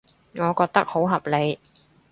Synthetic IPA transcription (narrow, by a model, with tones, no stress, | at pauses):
ŋɔː˨˧kɔː˧k̚t̪ɐ˥k̚ho˨˥wɦɐ˨p̚le˨˧j